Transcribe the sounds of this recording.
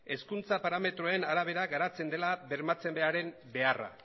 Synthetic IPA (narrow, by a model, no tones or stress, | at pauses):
e̞skunt͡sapaɾame̞t̪ɾoe̞naɾaβ̞e̞ɾaɡaɾat͡se̞nd̪e̞laβe̞ɾmat͡se̞mbe̞aɾe̞mbe̞ara̰